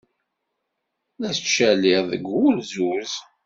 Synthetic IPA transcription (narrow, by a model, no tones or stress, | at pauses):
læst͡ʃːælɪʁðə̰ɡʷulzuz